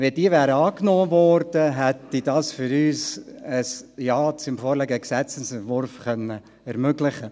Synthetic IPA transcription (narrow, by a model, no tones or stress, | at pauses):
ʋed̥iːvæːɾəɑːknoːvɔɾd̥əɦɛtidɑːsfʏɾyːsəsjɑːt͡sɪmfɔːɾlɛɡəəksɛt͡səsɛntvʊɾfχœnːə | ɛɾmøɡlɪχə